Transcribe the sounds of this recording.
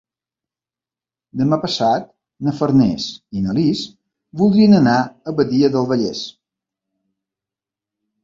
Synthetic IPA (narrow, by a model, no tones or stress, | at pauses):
d̪əmapəsat̪̚ | nəfəɾnɛ̰sinəlis | bulˠd̪ɾiənənaəβəðiəðəlˠβəʎɛ̰s